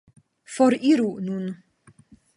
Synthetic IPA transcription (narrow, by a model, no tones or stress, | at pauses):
fɔɾiɾunun